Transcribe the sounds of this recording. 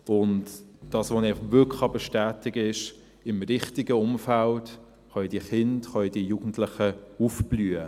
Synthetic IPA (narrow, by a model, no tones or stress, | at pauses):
ʊntd̥ɑːsʋonɛʁʋʏkʰlɑbɛʃtæːtɪɡɪʃ | ɪmɾɪχtɪɡəʊmfælt | χɑidiəχɪntχɑid̥iəjuːɡn̩tlɪχəufb̥lyːə